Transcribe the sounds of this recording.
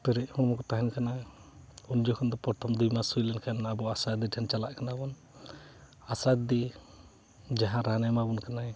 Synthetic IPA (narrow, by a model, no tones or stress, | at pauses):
pɛɾɛʔhɔ̃mɔkɔt̪aɦɛnkana | und͡ʒɔkʰɔnd̪ɔpɔɾt̪ʰɔmd̪umasujlɛnkʰanabɔasad̪iʈʰɛnt͡ʃalaʔkanabɔn | asad̪i | d͡ʒaɦãɾanɛmabɔnkanaj